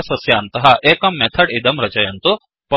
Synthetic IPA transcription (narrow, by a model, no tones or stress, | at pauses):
sɐsjant̪ɐɦaʔekɐmːɛt̪ʰəɽid̪ɐmɾɐt͡ɕɐjɐnt̪o | p